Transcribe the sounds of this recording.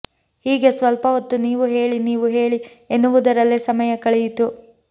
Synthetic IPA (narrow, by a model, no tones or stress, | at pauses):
hiːɡe̞sʋɐlpɐɦot̪ːuniːʋuɦe̞ːɭiniːʋuɦe̞ːɭi | enːuʋud̪ɐɾɐlːisɐmɐjɐkɐɭejit̪u